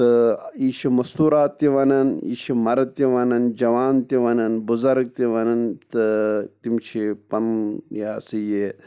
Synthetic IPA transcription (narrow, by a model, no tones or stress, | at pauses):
t̪ɨiːʃʰimɐst̪uːɾaːt̪ːiʋɐnɐnḭːʃʰimɐɾt̪iʋɐnɐnd͡ʒɐʋaːnt̪iʋɐnɐnbuzɐɾɡ̚t̪iʋɐnɐnt̪ɨt̪imt͡ʃʰipɐmjaːsɨje